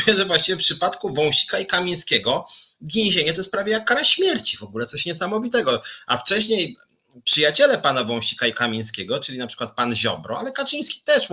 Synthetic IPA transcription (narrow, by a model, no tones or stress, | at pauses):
ɛʐɛvwaɕt͡ɕivʲɛfpʂɘpat̪kuvɔ̃w̃ɕi̥kaikamʲĩj̃skʲɛɡɔvʲjẽw̃ʑeɲɛt̪ɔjɛst̪̚pɾavjejakːaɾaɕmʲjɛɾt͡ɕivɔɡulɛt̪sɔɕɲɛsamɔvʲit̪ɛɡɔaft͡ʂɛɕɲej | pʂɨjat͡ɕɛlɛpanavɔ̃w̃ɕi̥kaikamʲĩj̃skʲɛɡɔt͡ʂɘlʲinapʂɘ̥kwat̪̚panʑɔ̰bɾɔalɛkat͡ʂɨj̃skʲi̥t̪ɛʂ